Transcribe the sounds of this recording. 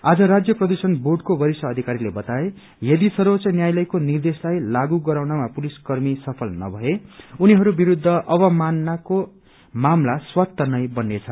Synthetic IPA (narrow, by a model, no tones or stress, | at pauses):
ad͡zʌɾad͡zjʌprʌd̪usʌnborɖkobʌɾisʌːd̪ʱikaɾilebʌt̪ae | jʌd̪isʌɾot͡sʌnjajlʌjkonird̪eslajlaɡuɡʌɾawnamapuliskʌrmisʌpʰʌlnʌ̰bʱʌeuniɦʌɾubiɾud̪ʱːʌʔʌβʌmanːako | mamlaswat̪ːʌnʌjbʌnːet͡sʰʌ